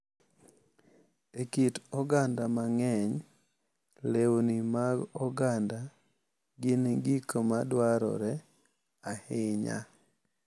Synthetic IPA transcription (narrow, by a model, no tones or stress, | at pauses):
ekitɔɡandamaŋɛɲ | lewnimaɡɔɡanda | ɡɪnɡikomadwaɾɔ̰ɾɛ | aheɲa̰